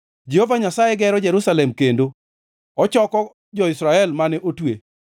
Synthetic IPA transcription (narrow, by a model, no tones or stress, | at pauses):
d͡ʒehovaɲasajeɡɛɾɔd͡ʒɛɾusalɛmkendo | ɔt͡ʃɔkɔ | d͡ʒɔɪsɾaɛlmanɛʔotwḛ